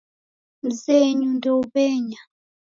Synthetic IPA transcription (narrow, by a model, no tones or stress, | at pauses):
m̩zeɲundɔupɛːɲa